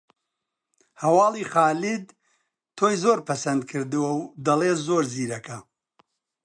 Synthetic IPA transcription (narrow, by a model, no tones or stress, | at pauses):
hɐwɑːlˠiːχaːlid̪̚ | t̪ʰoːjzoːɾpʰɐsɐnd̪̚kʰɨɾd̪ɨwɐwd̪ɐlˠeːt̪zoːɾziːɾɐkʰɐ